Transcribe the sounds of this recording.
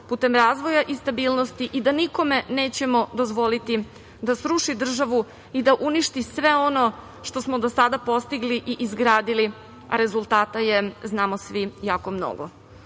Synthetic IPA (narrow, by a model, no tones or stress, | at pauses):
puːt̪emɾaːzʋo̞jaʔist̪abiːlno̞st̪iʔid̪aniko̞me̞neːt͡ɕe̞mo̞d̪o̞zʋo̞lit̪i | d̪asɾuʃid̪r̩ʒaʋu | id̪aʔuniʃt̪isʋe̞o̞no̞ | ʃt̪o̞smod̪osad̪apo̞st̪iɡliʔiʔizɡɾaːd̪ili | a̰ɾe̞zulˠt̪aːt̪aje̞znaːmosʋijaːkomno̰ɡo̰